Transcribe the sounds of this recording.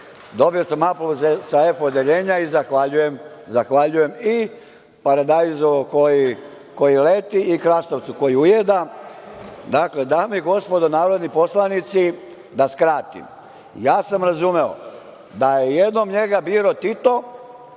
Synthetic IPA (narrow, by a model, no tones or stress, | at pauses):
d̪o̞bio̞samapluzsae̞fod̪e̞ʎe̞ːɲaizaxʋaʎuje̞m | zaxʋaʎuje̞mi | paɾad̪ajzokoji | ko̞jile̞t̪iːkɾast̪oʋt̪suko̞jiujed̪a | d̪akle̞d̪amiɡo̞spo̞d̪onaːɾo̞d̪nipo̞slanit̪si | d̪askɾaːt̪ḭm | jaːsamɾazume̞o̰ | d̪ajejed̪no̞mɲe̞ɡabiːɾo̞t̪it̪o̞